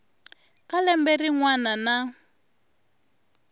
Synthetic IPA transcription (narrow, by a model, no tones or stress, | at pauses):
kalɛmberiŋwanana